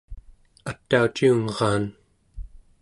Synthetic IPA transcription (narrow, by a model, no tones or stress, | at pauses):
at̪ːaut͡ʃiuŋʁɑːn